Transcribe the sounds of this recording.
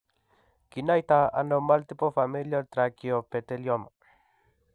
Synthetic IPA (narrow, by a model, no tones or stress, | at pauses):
kinajt̪aa̰nomalt̪ipofamiljalt̪ɾakiopet̪eljɔmo